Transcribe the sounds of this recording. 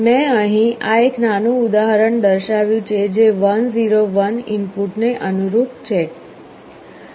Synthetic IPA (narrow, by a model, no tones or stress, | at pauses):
mɛ̃əɦĩʔaeknanũud̪aɦəɾəɳd̪əɾʃaʋjũt͡ʃʰed͡ʒeʋənziɾoʋənɪnpuʈneʔənuɾut̪t͡ʃʰe